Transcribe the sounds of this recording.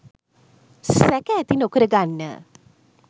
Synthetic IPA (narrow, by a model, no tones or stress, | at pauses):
sækɛːt̪inokəɾəɡanːə̰